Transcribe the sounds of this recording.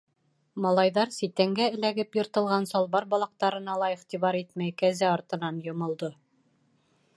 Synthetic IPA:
mɑlˠɑjðɑɾsit̪æŋɡæɘ̆læɡɘpjŏɾt̪ɤ̆lˠʁɑnsɒlˠβɑɾbɒlˠɑq̚t̪ɑɾɤ̆nɑlˠɑiχt̪iβɑɾit̪mæjkæzæɒɾt̪ɤ̆nɑnjŏmŏlˠd̪ɤ

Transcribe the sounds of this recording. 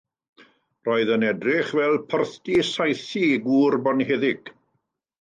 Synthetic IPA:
rɔːɨðənɛdrɪχvɛlˠpʰərθd̥isajθiɡuːrbɔnheðɪɡ̥

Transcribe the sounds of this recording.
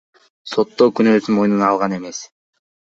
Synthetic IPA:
so̞t̪ːokynøːsyno̞jnunɑlˠʁɑne̞me̞s

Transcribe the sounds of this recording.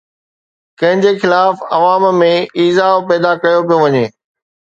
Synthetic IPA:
kɐ̃ɦɪ̃ɲd͡ʑexɪlaːfɐʋaːmmẽiːzaːopɛːd̪akɐjopijõʋɐɲeː

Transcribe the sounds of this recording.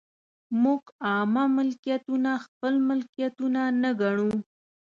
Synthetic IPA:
muɡɑmamɪlkijat̪unaxpəlmɪlkijat̪unanəɡaɳu

